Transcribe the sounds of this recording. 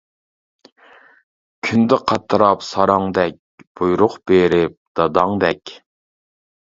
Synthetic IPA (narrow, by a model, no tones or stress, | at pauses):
kʲʰynd̪ɪqʰɑt̪ʰːɨɾɑpsɑɾɑŋd̪ɛk̚ʲb̥ujɾʊχb̥eɾɪp̚d̪̥ɑd̪ɑŋd̪ɛkʲ